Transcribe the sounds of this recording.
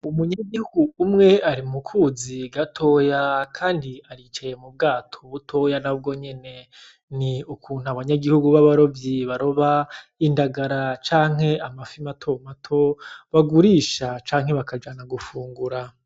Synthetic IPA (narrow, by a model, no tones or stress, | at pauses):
umuɲaɡihuɡuːmŋe̞aɾimukʰuziɡatʰo̞ːjakʰaːndiaɾit͡ʃaje̞mub̚ɡaːtʰoβutʰo̞janab̚ɡo̞ɲe̞ne̞ | niukʰuːn̥huaβaɲaɡihuɡuβaβaɾo̞bjiβaɾo̞βaindaɡaɾat͡ʃaːŋ̥he̞amafimatʰo̞matʰo̞βaɡuɾiːʃat͡ʃaːŋ̥he̞βakad͡ʒaːnaɡufuːŋɡuɾa